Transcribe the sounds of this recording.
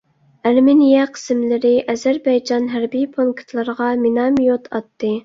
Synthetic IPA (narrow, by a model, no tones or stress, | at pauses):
æɾmɪnijɛqʰə̥sɪmlɪɾɪʔɛzæɾbɛjd͡ʒɑnɦæɾbijpʰoŋkʰt̪ʰlˠɨɾəʁɑmɪnɑmjot̪ʰɑt̪ːɨ